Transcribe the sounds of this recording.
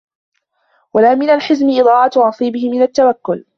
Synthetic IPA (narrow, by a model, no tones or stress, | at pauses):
walaːmɪnalħɪzmɪʔɨd̪ˤɑːʕɑt̪ɾˤɑsˤiːbɪhɪmɪnat̪ːawakːʊl